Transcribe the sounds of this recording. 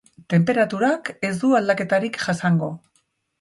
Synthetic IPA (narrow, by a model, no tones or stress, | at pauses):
t̪e̞mpe̞ɾat̪uɾake̞zd̪uald̪ake̞t̪aɾikʝasaŋɡo̞